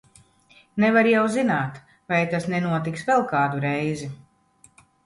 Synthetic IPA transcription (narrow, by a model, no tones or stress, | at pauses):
nɛvaɾjawzinaːt̪ | vajt̪asnɛnuɔt̪iksvɛlˠkaːd̪uɾɛjzi